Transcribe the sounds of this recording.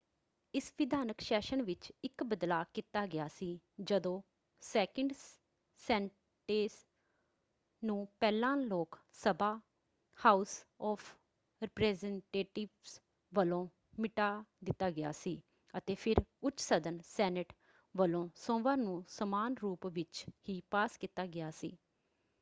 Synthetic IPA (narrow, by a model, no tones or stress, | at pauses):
ɪsʋɪd̪ʱaːnəkʃɛːʃənʋɪt͡ʃɪkbəd̪laːkit̪aːɡɪjaːsiː | d͡ʒəd̪õː | sɛːkəɳɖ | sɛːɳ | ʈeːs | nũːpɛːlãːloːksəbaː | haːusɔːfʰ | ɾɪpɾɛːzɛɳʈeːʈɪʋs | ʋəlõː | mɪʈaːd̪ɪt̪ːaːɡɪja̰ːsiː | ət̪eːpʰɪɾʊt͡ʃsəd̪ənsɛːnɪʈ | ʋəlõːsõːʋãːnũːsəmaːnɾuːpʋɪt͡ʃhiːpaːskɪt̪ːaːɡɪjaːsḭː